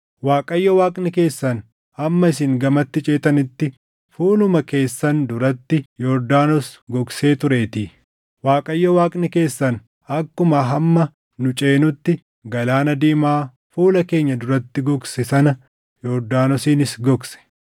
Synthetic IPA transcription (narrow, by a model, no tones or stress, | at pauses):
waːkʼɐjːɔwaːkʼnɪke̞ːsːɐn | ɐmːɐɪsɪŋɡɐmɐt̪ːɪt͡ʃʼeːt̪ɐnɪt̪ːɪ | fuːlʊmɐke̞ːsːɐnd̪ʊɾɐt̪ːɪjɔɾd̪aːnɔsɡɔkse̞ːt̪ʊɾe̞ːt̪iː | waːkʼɐjːɔwaːkʼnɪke̞ːsːɐn | ɐkːʊmɐɦɐmːɐ | nʊt͡ʃʼe̞ːnʊt̪ːɪ | ɡɐlaːnɐd̪iːmaː | fuːlɐke̞ːɲːɐd̪ʊɾɐt̪ːɪɡɔksɛsɐnɐ | jɔɾd̪aːnɔsiːnɪsɡɔksɛ̥